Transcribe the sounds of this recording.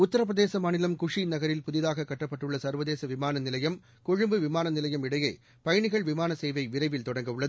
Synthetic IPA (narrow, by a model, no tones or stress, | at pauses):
ʊt̪ːɐɾɐp̬ɾɐðeːsɐmaːnɪlɐmkʊʂinɐɣɐɾɪlpʊðɪðaːɣɐkːɐʈːɐpːɐʈːɯɭːɐsɐɾʋɐðeːsɐʋɪmaːnɐnɪlɐjɐm | kʊɻɯmbɯʋɪmaːnɐnɪlɐjɐmɪɽɐjeː | pɐjɐɳɪɣɐɭʋɪmaːnɐseːʋɐɪʋɪɾɐɪʋɪlt̪ɔɽɐŋɡɐʊɭːɐðɯ